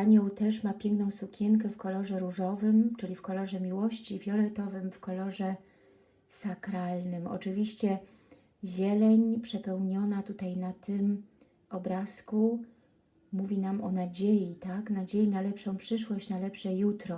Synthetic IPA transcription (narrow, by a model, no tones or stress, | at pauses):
aɲɔwt̪ɛʂmapʲjɛŋknɔ̃w̃sukʲʰɛŋk̬ɛfkɔlɔʐɛɾuʐɔvɘmt͡ʂɘlʲifkɔlɔʐɛmʲiwɔɕt͡ɕivʲjɔlɛt̪ɔvɘmfkɔlɔʐɛ | sakɾalnɘmɔ̰t͡ʂɘvʲiɕt͡ɕɛ | ʑɛlɛɲpʂɛpɛwɲɔn̪at̪ut̪ajnat̪ɘm | ɔbɾasku | muvʲinamʔɔnad͡ʑejit̪aknad͡ʑejinalɛpʂɔ̃w̃pʂɘʂwɔɕt͡ɕnalɛpʂɛjut̪ɾɔ